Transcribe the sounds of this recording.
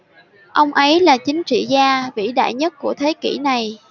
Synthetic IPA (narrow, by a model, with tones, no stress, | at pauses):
ʔə˧wŋ͡mʔə˨˦jlaː˨˩t͡ɕï˨˦ŋ̟t͡ɕḭ˧˨zaː˧vḭ˧˥ɗa̰ː˧˨jɲə˦˥t̚ku˧˩ət̪ʰe˨˦kḭ˧˩na˨˩j